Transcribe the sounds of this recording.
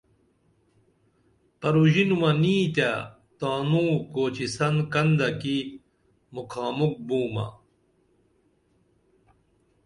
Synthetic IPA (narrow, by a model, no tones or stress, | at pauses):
pɐɾuʑinumɐniːt̪a | t̪aːnukoːt͡ɕisɐnkɐnd̪ɐki | mukʰaːmuk̚buːmɐ̰